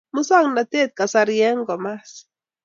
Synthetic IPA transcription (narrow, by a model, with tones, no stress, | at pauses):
mʊ˦sa˦ŋna˨t̪e˦˨t̪̚ka˨sa˧ɾjɛ˦ŋɡɔ˨ma˦s